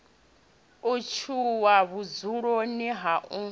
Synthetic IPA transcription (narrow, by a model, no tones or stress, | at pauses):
ot͡ʃʰuwaβud͡zuɺoniɦaʔu